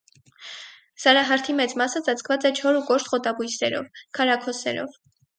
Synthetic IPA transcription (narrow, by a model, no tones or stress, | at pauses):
sɑɾɑɦɑɾt̪ʰimɛt͡smɑsət͡sɑt͡sʰkʰvɑt͡sɛt͡ʃʰɔɾukɔɾt̪χɔt̪ɑbujsɛ̰ɾɔ̰vkʰɑɾɑkʰɔsɛ̰ɾɔ̰v